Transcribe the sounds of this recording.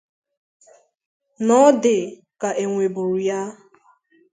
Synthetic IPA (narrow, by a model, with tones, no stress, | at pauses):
nɔ˦dɪ˨ | ka˨ʔe˨ŋʷe˨bu˨ɾu˨ja˦